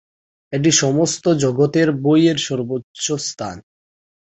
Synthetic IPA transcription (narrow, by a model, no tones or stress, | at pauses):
eʈ̬iʃɔmost̪od͡ʑoɡot̪eɾbojeɾʃɔɾbotːɕost̪ʰa̰n